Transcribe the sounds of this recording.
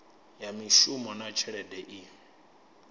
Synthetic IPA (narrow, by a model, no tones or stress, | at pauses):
jamiʃumɔnat͡ʃʰɛɺɛdɛʔi